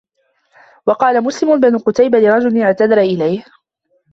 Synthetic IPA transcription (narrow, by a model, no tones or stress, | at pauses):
wɑqɑːlamʊslɪmʊbanʊqʊt̪ajbalɪɾˤɑd͡ʒʊlɪnɪʕt̪ad̪ɑɾʔɪlajh